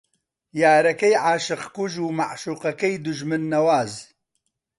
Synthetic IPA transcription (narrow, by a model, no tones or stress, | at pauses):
jaːɾɐkɐjʕaːʃɨqkuʒuːmaʕʃuːqɐkɐjd̪ʊʒmɨnːɐwaːz